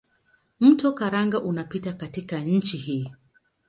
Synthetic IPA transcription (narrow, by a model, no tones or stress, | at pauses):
m̩tɔkaɾaŋɡaʔunapitakatikaɲ̩t͡ʃihiː